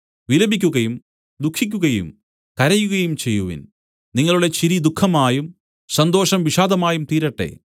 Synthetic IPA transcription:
ʋilɐbikʲːuɣɐjum | d̪ukʰːikʲːuɣɐjṵm | kɐɾɐjuɣɐjumt͡ɕe̞jːuʋḭn | niŋːɐɭuɽe̞t͡ɕiɾid̪ukʰːɐmaːjum | sɐnd̪o̞ːʂɐmʋiʂaːd̪ɐmaːjumt̪iːɾɐʈːe̞̰

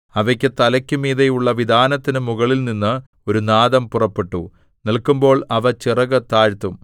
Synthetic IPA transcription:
ɐʋɐkʲːɨt̪ɐlɐkʲːumiːðejuɭːɐʋid̪ʱaːnɐt̪ːinɨmuɣɐɭilninːɨ | o̞ɾunaːðɐmpurɐpːe̞ʈːu | nilkumbo̞ːɭɐʋɐt͡ɕirɐɣɨt̪aːɾt̪ːum

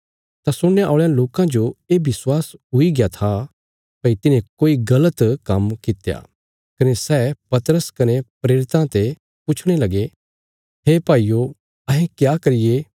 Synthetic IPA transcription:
t̪asʊɽ̃jaʔoːɭjãloːkãd͡ʒoeːbɪswaːsɦʊiɡjat̪ʰa | pɐit̪ɪnẽkoːiɡɐlət̪kɐmkɪt̪eja̰ː | kɐnesɛːpɐt̪əɾəskɐnepɾeːɾɪt̪ãt̪e | pʊt͡ʃʰɽ̃elɐɡe | ɦeːpaːijo | ɐɦẽkjaːkɐɾɪjeː

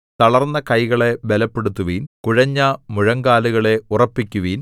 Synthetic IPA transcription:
t̪ɐɭɐrnːɐkɐjɣɐɭe̞belɐpːe̞ɽut̪ːuʋiːnkuɻɐɲːɐmuɻɐŋɡaːluɣɐɭe̞urɐpːikʲːuʋiːn

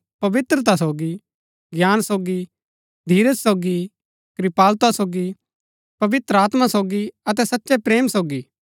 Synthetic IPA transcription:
pɐʋɪt̪ɾət̪̬asoːɡi | ɡjaːnsoːɡi | d̪ʱiːɾəsːoːɡi | kɾɪpaːlt̪asoːɡi | pɐʋɪt̪ɾəaːt̪masoːɡiɐt̪̬ɛsɐtːʃepɾeːmsoːɡi

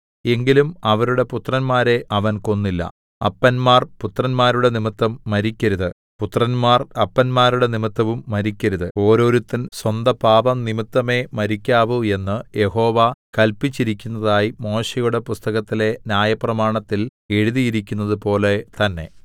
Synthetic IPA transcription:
e̞ŋɡilumɐʋɐɾuɽe̞put̪rɐnmaːɾe̞ʔɐʋɐnko̞nːilːɐ̰ | ɐ̰pːɐnmaːrput̪rɐnmaːɾuɽe̞nimit̪ːɐmːɐɾikʲːɐɾuðɨ | put̪ːrɐnmaːrɐpːɐnmaːɾuɽe̞nimit̪ːɐʋumːɐɾikʲːɐɾuðɨo̞ːɾo̞ːɾut̪ːinswɐnd̪ɐpaːʋɐmnimit̪ːɐme̞mɐɾikʲːaːʋue̞nːɨje̞ho̞ːʋakɐlpit͡ɕːiɾikʲːunːɐðaːjimo̞ːɕejuɽe̞pust̪ɐɣɐt̪ːile̞nʲjaːjɐprɐmaːɳɐt̪ːil | e̞ɻuðijiɾikʲːunːɐðɨpo̞ːle̞t̪ɐnːe̞̰

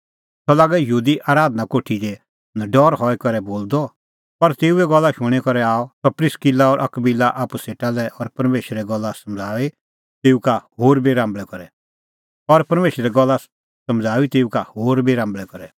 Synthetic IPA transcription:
t̪ɔlaːɡɛjɦuːd̪iʔaːɾaːd̪nakoːʈʰid͡ʒe | nɐɖɔːɾɦɔɛkɐɾɛboːld̪ɔ | pɐɾt̪eːuɛɡɔlːaʃʊ̃ɽ̃ikɔɾɛaːɔt̪ɔpɾɪskilaɔːɾʔɐ̰kbilːaʔaːpuseːʈalɛʔɔɾpɐɾmeːʃɾɛɡɔlːasɐmd͡zʱaːʋi | t̪eːukahoːɾbiɾãːmbɭɛkɔɾɛ | ɔɾpɐɾmeːʃɾɛɡɔlːa | sɐ̃md͡zʱaːit̪eːukahoːɾbiɾãːmbɭɛkɔɾɛ

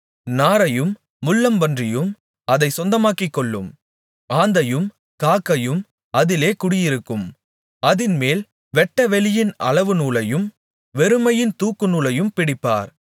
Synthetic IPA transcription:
naːɾɐjɯmː | ʊɭːɐmʋɐndrɪjɯm | ɐðɐɪsɔnd̪ɐmaːkɪkːɔɭːɯm | aːnd̪ɐjɯm | kaːkːɐjɯm | ɐðɪleːkʊɽɪjɪɾɯkːɯm | ɐðɪnmeːl | ʋɛʈːɐʋɛɭɪjɪnɐ̰ɭɐʋɯnuːlɐjɯm | ʋɛɾɯmɐjɪnt̪uːkːɯnuːlɐjɯmpɪɽɪpːa̰ːɾ

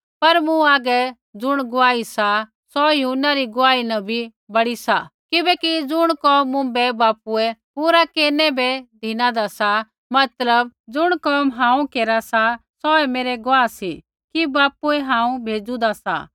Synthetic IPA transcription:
pɐɾmũaːɡɛ | d͡zʊɽ̃ɡʊaːisa | sɔjɐɦunaɾiɡʊaːinɐ̃bʱi | bɐɽisakɪbɛkid͡zʊɽ̃kɔːmːʊ̃bɛbaːpuɛpuːɾakeːɾnɛbɛd̪ʱinãd̪asa | mɐt̪ləbd͡zʊɽ̃kɔːmɦãːũkeːɾasasɔɛmeːɾɛɡʊaːsḭ | kibaːpuɛɦãːũbʱeːd͡zud̪asa̰

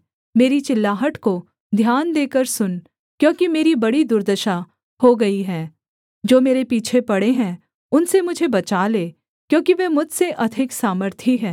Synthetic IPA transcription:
meːɾit͡ʃɪlːaːɦəʈko | d̪ʱjaːnd̪eːkəɾsʊn | kjõːkimeːɾibɐɽid̪ʊɾd̪əʃa | hoɡɐiɦɛː | d͡ʒoːmeːɾepiːt͡ʃʰepɐɽeɦɛ̃ | ʊnsemʊd͡ʒʱebɐt͡ʃaleː | kjõːkiʋɛːmʊd͡ʒseʔɐd̪ʱɪksaːməɾt̪ʰiɦɛ̃ː

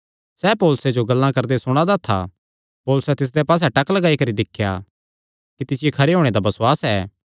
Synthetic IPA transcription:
sɛːpoːlʊsed͡ʒoɡɐlːãkɐɾd̪esʊɽ̃ad̪at̪ʰa̰ | poːlʊsɛt̪ɪs̬d̪epaːs̬ɛʈɐklɐɡaːikɐɾid̪ɪkʰːja̰ | kit̪ɪsɪjekʰɐɾeɦoːɽ̃ed̪abɐsʊwaːsɛː

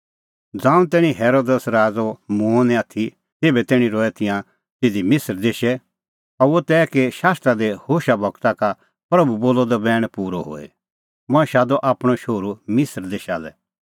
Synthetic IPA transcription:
d͡zãːũt̪ɛːɽ̃ĩɦɛːɾoːd̪əsɾaːd͡zomũonɛ̃aːt̪ʰi | t̪eːbɛt̪ɛːɽ̃ĩɾɔːɛt̪ɪjã | t̪ɪd̪imɪsəɾd̪eːʃɛ | ɔot̪ɛːkeʃaːst̪ɾad̪ehoːʃabʱɐkt̪aka | pɾɐbuboːlɔd̪ɔbɛːɽ̃puːɾɔɦo̰ːɛ̰ | mʊ̃ɛ̃ʃaːd̪ɔʔaːpɽ̃ɔʃoːɾumɪsəɾd̪eːʃa̰lɛ

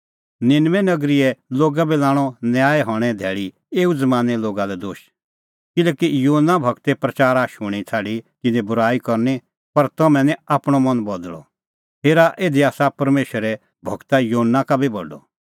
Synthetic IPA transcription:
nɪnʋɛnɐɡɾiɛloːɡabilaːɽ̃ɔnjaːɛɦɔɽ̃ɛ̃d̪ʱɛːɭi | eːud͡zɐmãːnɛloːɡalɛd̪oːʃ | kɪlɛːkijuːɦnːabʱɐɡt̪ɛpɾɐt͡ʃaːɾaʃʊɽ̃it͡sʰaːɽikɪnɛ̃bʊɾaːikɐɾni | pɐɾt̪ɐmɛ̃nɛ̃aːpɽ̃ɔmɐnbɐd̪ɭɔ̰ | ɦeːɾaʔeːd̪iaːsapɐɾmeːʃəɾɛ | bʱɐɡt̪ajoɦənːakabʱibɐ̰ɖɔ̰

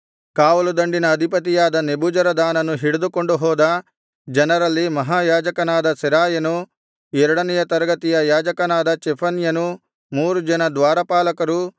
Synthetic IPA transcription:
kaːʋɐlud̪ɐɳɖinɐːd̪ʱipɐt̪̬ijaːd̪ɐnebuːd͡ʒɐɾɐd̪aːnɐnuɦiɽud̪ukoɳɖuɦɔːd̪ɐ | d͡ʒɐnɐɾɐlːimɐɦaːjaːd͡ʒɐkɐnaːd̪ɐsiɾaːjɐnu | ɛɾuɽɐnɛjɐt̪ɐɾɐɡɐt̪ijɐjaːd͡ʒɐkɐnaːd̪ɐt͡ʃɛpʰɐnjɐnu | muːɾud͡ʒɐnɐd̪ʋaːɾɐpaːlɐkɐɾu

